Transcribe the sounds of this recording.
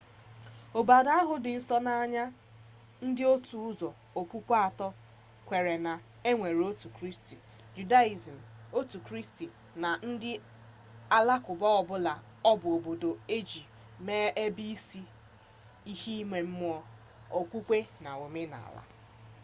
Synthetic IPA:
o˨ba˨da˦ɦʊ˨˦dɪ˨n̩˦sɔ˦na˨a˦˨ɲa˦ | n̩˦dɪ˦o˦tu˨ʊ˦zɔ˨ | o˨kʷu˦kʷa˨tɔ˦ | kʷe˨ɾe˨na˨ | e˦ŋʷe˨ɾo˦tu˨kɾi˦sti˨ | d͡ʒu˨da˦i˨zi˨m̩˨o˦tu˨kɾi˦sti˨ | na˨n̩˦dɪ˦ | a˨la˦kʊ˨bɔ˦ɔ˨bʊ˦la˨ | ɔ˦bʊ˨o˨bo˨do˨e˦d͡ʒi˨ | meː˦ʔe˦bi˦si˦ | i˦hi˦i˦me˨m̩˦m˦ɔ˦ | o˨kʷu˦kʷe˦na˨o˨me˦na̰˨a̰˨la̰˦

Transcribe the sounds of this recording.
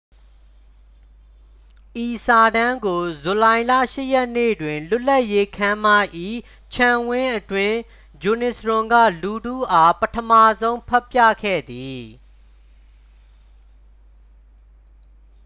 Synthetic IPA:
ʔi˨sa˨dã˦ŋɡo˨zu˨lã˨ɪ̃la̰˦˨ʃɪ˦jɛ˦ʔnḛ˦˨dwɪ̃˨lʊ˦la˦ʔje˦kʰã˦ma˦˨ʔḭ˦˨ | t͡ɕʰã˨wɪ̃˦ʔətwɪ̃˦ | d͡ʑu˨nɪ˨sɹʊ̃˨ŋɡä̰˦˨lu˨dṵ˦˨ʔa˦pətʰəma˦˨zõ˦ʊ̃pʰɛ˦pja̰˦˨kʰɛ̰˦˨d̪i˨

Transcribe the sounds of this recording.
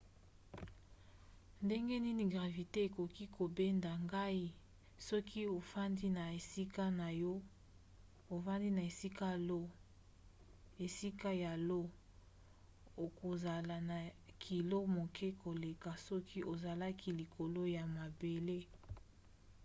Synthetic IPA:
nde˦ŋɡe˦ni˦ni˨ɡʁa˨vi˨te˦e˨ko˨ki˦kʰo˨be˦nda˨ŋɡa˦i˦ | sɔ˦kʰi˦o˨fa˦ndi˦na˨e˨si˦ka˦na˨jɔ˦ | o˨fa˦ndi˦na˨e˨si˦ka˦lo˦ | e˨si˦ka˦ja˨lo˦ | o˨ko˨za˨la˨na˨kʰi˨lo˦mo˨kʰɛ˦ko˨le˨ka˨sɔ˦ki˦ʔo˨za˨la˦ki˦li˨kʰo˨lo˦ja˨ma˨be˨le˦

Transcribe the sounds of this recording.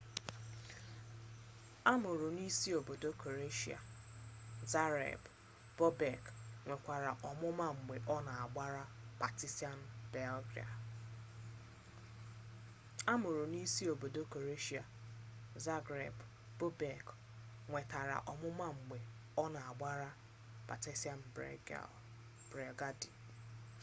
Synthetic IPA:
a˦mʊ˨ɾʊ˨ni˦si˦o˨bo˨do˦ko˨ɾe˦ʃi˦a̰˨ | za˦ɾḛ˨b | b̥o˦be˨kŋʷe˨kʷa˨ɾa˨ʔɔ˨mʊ˦ma˦ŋ͡m̩˨ɡ͡be˨ʔɔ˦na˨a˨ɡ͡ba˦ɾa˦ba˨ti˦sti˦a˦n̩˦be˦lɡɾḭ˨a̰˨ | a˦mʊ˨ɾʊ˨ni˦si˦o˨bo˨do˦ko˨ɾe˦ʃi˦˨a˨ | za˦ɡɾḛ˨b | bo˦be˨k | ŋʷe˨ta˨ɾa̰˨ʔɔ˨mʊ˦ma˦ŋ͡m̩˨ɡ͡be˨ | ɔ˦na˨a˨ɡ͡ba˦ɾa˦ | b̥a˨ti˦sa˦n̩˨bɾḛ˨˦ | b̥ɾe˨ɡa˦di˨

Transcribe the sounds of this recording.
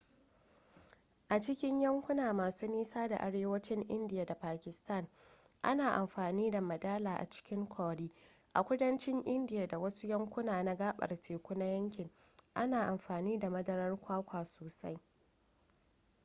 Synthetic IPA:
ʔa˨t͡ʃɪ˦kʲɪ˦ɲjɐ˦ŋkʷʊ˦naː˨maː˨suː˦niː˦saː˦da˨ʔa˨ɽeː˦wɐ˦t͡ʃɪ˦ŋʔɪ˦ndɪ˨ja˨da˨paː˨kʲɪ˨sta˦˨ŋʔa˦naː˨ʔa˨mɸaː˨niː˦da˨mɐ˨daː˦laː˨ʔa̰˨t͡ʃɪ̥˦kʲɪ˦ŋkʷʰɔː˨ɽiː˦ | ʔa˨kʷʊ˦dɐ˦nt͡ʃɪ˦ŋʔɪ˦ndɪ˨ja˨da˨wɐ˦su˦jɐ˦ŋkʷʊ˦naː˨na˦ɡaː˦ɓɐ̰˨rtʰeː˨kʷʊ˦na˦jɐ˦ŋkʲɪ˨ŋ | ʔa˦naː˨ʔa˨mɸaː˨niː˦da˨mɐ˦dɐ˦ɾɐ˦rkʷaː˦kʷaː˨soː˨sa˦j

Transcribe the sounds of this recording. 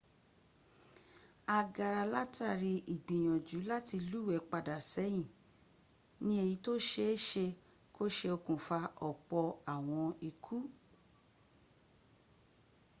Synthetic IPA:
a˧ɡa˨ɾa˧la˦ta˦˨ɾi˧ʔi˨ɡ͡bĩ˨j̃ɔ̃˨d͡ʒu˨˦la˦ti˧lu˦˨wɛ˨˦k͡pa˧da˨sɛ˨˦j̃ĩ˨ | nĩ˦e˧ji˧to˦ʃe˧e˦ʃe˧ | kʰo˦ʃe˧o˧kũ˨fa˧ɔ˨k͡pɔ˧a˨w̃ɔ̃˧i˧kʰu˦

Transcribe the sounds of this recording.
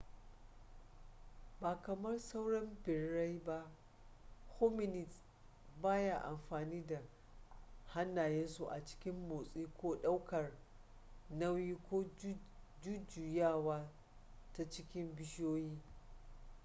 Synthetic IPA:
baː˨kɐ˨mɐ˦rsa˦wɽɔ˦mbɪ˨ɽːa˦jba˦ʔ | ho˦mɪ˦nɪ˨s | baː˦ja˨ʔa̰˨mɸaː˨niː˦da˨ | ha˦nːaː˨jɛ˦nsu˨ʔa˨t͡ʃɪ̥˦kʲɪ˦mːoː˨sʼiː˦kʷoː˦ɗa˦wkɐ˨r | nɐ˦wjiː˦kʷo˦ | d͡ʒʊ˦d͡ʒu˨jaː˦˨waː˦ | ta˦t͡ʃɪ˦kʲɪ˦mbɪ˦ʃoː˦jiː˦

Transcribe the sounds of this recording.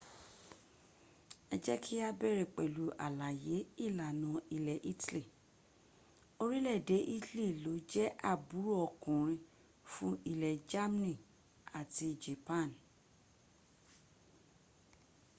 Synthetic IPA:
ɛ˧d͡ʒɛ˦kʰi˦a˦bɛ˦˨ɾɛ˨k͡pɛ˨lu˨˦ʔa̰˨la˨je˨˦i˦˨la˨nɔ̃˨˦i˧lɛ˨ʔi˦tli˦˨ | o˦ɾi˦lɛ˦˨de˨˦ʔi˦tli˦˨lo˨˦d͡ʒɛ˦ʔa˦˨bu˨˦ɾu˦ɔ˧kũ˨ɾ̃ĩ˧ | fũ˦i˦lɛ˨d͡ʒa˦m˦nĩ˦˨ | a˨ti˧d͡ʒe˨pã˦˨n

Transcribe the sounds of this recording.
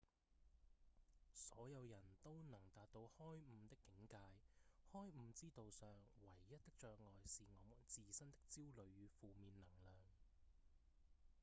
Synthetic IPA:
sɔː˨˥jɐ˨˧wjɐ˨˩nt̪o˥wnɐ˨˩ŋt̪aː˨t̚t̪o˧whɔː˥jm̩˧t̪ɪ˥kːɪ˨˥ŋkaː˧jhɔː˥jm̩˧t͡siː˥t̪o˨wsœː˨ŋwɐ˨˩jːɐ˥t̚t̪ɪ˥k̚t͡ʃœː˧k̚ŋɔː˨jsiː˨ŋɔː˨˧˥t͡siː˨sɐ˥nt̪ɪ˥k̚t͡siː˥wlɵ˨˧ɥːyː˨˧fuː˨miː˨nlɐ˨˩ŋlœː˨ŋ

